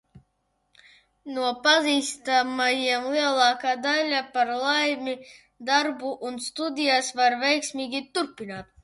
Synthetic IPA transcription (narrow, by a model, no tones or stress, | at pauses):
nuɔpaziːst̪amajiɛmlˠiɛlˠɑːkaːd̪alʲapaɾlˠajmʲi | d̪aɾbuʔunst̪ud̪ʲijasvaɾvɛjksmiːɡʲit̪uɾpʲinaːt̪̚